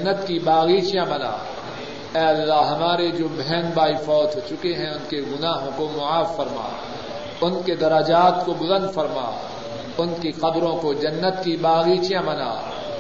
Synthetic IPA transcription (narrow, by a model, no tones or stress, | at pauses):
nːət̪kibaːɣiːt͡ʃijãmɐna̰ː | ɛːɐlːaːɦɐmaːɾed͡ʒoːbʱɛːnbaːifɔːt̪ʰɦot͡ʃʊkeɦɛ̃ʊnkeɡʊnaːɦõkomʊaːfːɐɾma̰ː | ʊnked̪ɐɾəd͡ʒaːt̪kobʊzə̃nd̪fɐɾma̰ː | ʊnkiqɐbɾõkod͡ʒɐnːət̪kibaːɣiːt͡ʃijãmbɐna̰ː